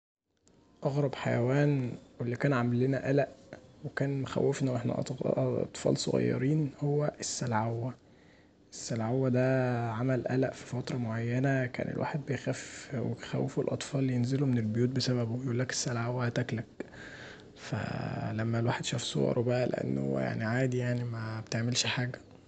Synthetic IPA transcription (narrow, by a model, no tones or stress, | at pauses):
ʔɑɣɾˤɑbħajæwæːnwelːikæːnʕamælːenæʔælæʔwekæːnmoxæ̰wːefnæwʔeħnæ̰ʔt̪ˤfɑ̰ːlsˤo̰ɣɑ̰jːɑ̰ɾiːnhowːæʔesːælʕawːæ | ʔesːælʕawːæd̪æʕamælʔælæʔfi̥fɑt̪ɾˤɑmoʕajːænækæ̰ːnḛlwa̰ːħed̪̚bejxæfwḛxæ̰wːefulʔɑt̪ˤfɑːlːjenzelomenelbojuːt̪̚besæbæbojʔuːlːæke̥sːælʕawːæhæt̪æklæk̚ | fæ̰læmːælwaːħed̪ʃæːfsˤo̰ɑ̰ɾˤbæʔælḛʔḛnːo̰ja̰ʕniʕaːd̪ijaʕnimæbet̪eʕmelʃħaːɡæ